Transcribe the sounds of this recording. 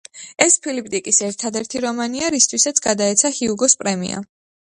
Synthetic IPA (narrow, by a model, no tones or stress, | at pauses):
ɛspʰilip̚ʼt̪ʼikʼisɛɾt̪ʰad̪ɛɾt̪ʰiɾɔmaniaɾist̪ʰwisat̪sʰɡad̪aɛt̪sʰahiuɡɔspʼɾɛmḭa̰